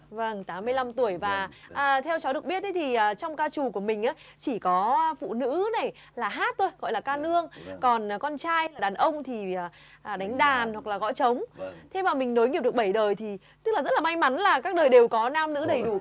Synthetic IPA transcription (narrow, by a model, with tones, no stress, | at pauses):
və˧ŋt̪aː˨˦mːɨ˧əjla˧mt̪u˧˩əjvaː˨˩ʔəː˨˩t̪ʰɛ˧wt͡ɕɔ˨˦ɗɨ˨˩ək̚ɓi˦˥ət̪̚ːə˨˦jt̪ʰi˨˩ʔəː˨˩t͡ɕɔ˧wŋ͡mkaː˧t͡ɕu˨˩ku˧˩əmï˨˩ŋ̟ʔaː˨˦ | t͡ɕi˧˩kɔ˨˦fṵ˧˨nɨ̰˧˥na˨˩j | laː˨˩ɦaː˦˥t̚t̪o˧jɣɔ̰˧˨jlaː˨˩kaː˧nɨ˧əŋkɔ˨˩n˨˩kɔ˧nt͡ɕaː˧jlaː˨˩ɗaː˨˩nʔə˧wŋ͡mt̪ʰiː˨˩˨ | ɗa˨˦jŋ̟ɗaː˨˩nhwa˨˩k̚laː˨˩ɔ̰˧˥t͡ɕə˨˦wŋ͡mt̪ʰe˧maː˨˩mï˨˩ŋ̟no˨˦jŋi˨˩p̚ɨ˨˩k̚ɓə˧˩jɗəː˨˩jt̪ʰi˨˩ | t̪ɨ˦˥k̚laː˨˩zə˦˥t̚laː˨˩ma˧jŋma˨˦nlaː˨˩kaː˦˥k̚ɗəː˨˩jɗe˨˩wkɔ˨˦naː˧mnɨ̰˧˥ɗə˨˩jɗu˧˩